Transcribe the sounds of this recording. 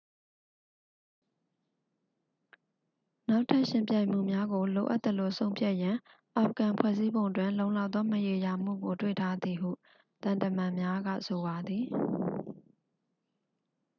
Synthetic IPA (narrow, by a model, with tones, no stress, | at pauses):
na˦ʊtʰa˦ʔʃɪ̃˦mpjã˦˨ɪ̃m̥ṵ˦˨mja˦ɡo˨lo̰˨ʔa˦t̪ːə˨lo˨sʰõ˦ʊ̃mpʰja˦ʔjã˨ | ʔa˨p̚ʰəkã˨pʰwɛ̰˦˨zi˦bõ˨ʊ̃ntwɪ̃˦˨lõ˦ʊ̃la˦ʊt̪ðɔ˦məje˨ja˨m̥ṵ˦˨ɡo˨twḛ˦˨tʰa˦d̪ði˨ɦṵ˦˨ | t̪ã˨ntə˨mã˨mja˦ɡä̰˦˨so˨βa˨d̪i˨